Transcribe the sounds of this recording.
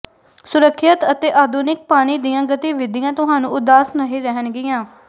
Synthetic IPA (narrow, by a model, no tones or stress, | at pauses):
sʊɾəkʰːət̪ət̪eːʔaːd̪ʊnɪk̚paːɽ̃iːd̪ijãːɡət̪iːʋɪd̪ijãːt̪ʊɦãːnṵ̃ːʊd̪aːsnəɦĩːɾəɦənɡɪjãː